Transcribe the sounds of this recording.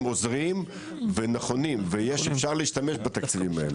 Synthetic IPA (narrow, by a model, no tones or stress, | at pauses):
mo̞zʁim | venaχo̞nimvejeʃefʃaʁliiʃt̪ame̞ʃbat̪akt͡sivimael